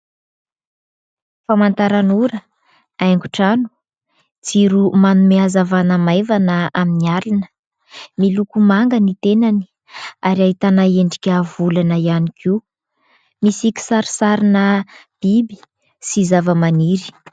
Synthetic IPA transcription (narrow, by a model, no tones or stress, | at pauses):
famant̪aɾanuɾə | ajŋɡuʈ͡ʂanu̥ | t͡siɾumanumeazavanəmajvanəaminialinə̥ | milukumaŋɡənit̪enani̥ | aɾiaɦit̪anaeɳɖ͡ʐikʲavulanəianikʰi | misikʲi̥saɾisaɾinəb̥ibi̥ | sizavəmaniɾi̥